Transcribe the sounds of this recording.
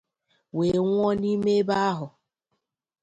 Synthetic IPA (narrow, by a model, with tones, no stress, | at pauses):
we˨ŋʷɔ˦ni˦me˦ba˦a˦ɦʊ˨